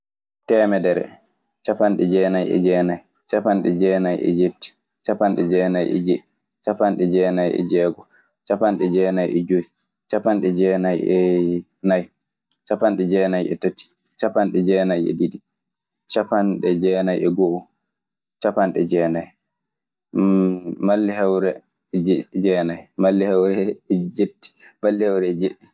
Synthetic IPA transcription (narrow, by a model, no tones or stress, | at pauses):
tɛːmɛdɛɾɛ̰ | t͡ʃapanɗɛd͡ʒɛːnajɛ̰d͡ʒɛːnaj | t͡ʃapanɗɛd͡ʒɛːnajʔɛ̰d͡ʒetːi̥ | t͡ʃapanɗɛd͡ʒɛːnajɛ̰d͡ʒei | t͡ʃapanɗɛd͡ʒɛːnajʔɛ̰d͡ʒɛːɡɔ | t͡ʃapanɗɛd͡ʒɛːnajɛ̰d͡ʒoj | t͡ʃapanɗɛd͡ʒɛːnajɛ | naj | t͡ʃapanɗɛd͡ʒɛnajɛtati̥ | t͡ʃapanɗɛd͡ʒɛːnajɛ̰ɗiɗi | t͡ʃapanɗɛd͡ʒɛnajɛɡɔʔɔ | t͡ʃapanɗɛd͡ʒɛːnaj | malːiɦɛwɾɛ | d͡ʒd͡ʒɛnajmalːihɛwɾɛɛd͡ʒetːi̥malːihɛwɾɛɛd͡ʒeɗːi